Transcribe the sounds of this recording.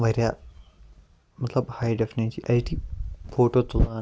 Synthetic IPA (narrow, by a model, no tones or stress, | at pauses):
ʋɐɾja | mɐt̪lɐbhajɖefneiʔɐʈifoːʈoːt̪ula